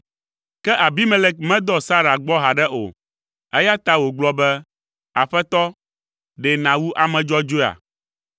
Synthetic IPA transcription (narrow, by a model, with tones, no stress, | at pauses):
kɛ˦ʔa˨bi˦me˦le˦k̚mɛ̃˦d̪ɔ˦sa˦ɾa˨ɡ͡bɔ˦ɦa˨ɖɛ˦ʔo̰˨ | ɛ˦ja˦t̪a˦wo˨ɡ͡blɔ˦bɛ˦ | a̰˨ɸɛ˦t̪ɔ˦ | ɖɛ˨nã˨wu˦ʔa˨mɛ̃˨d͡ʒɔ˦d͡ʒo˦˨a̰˨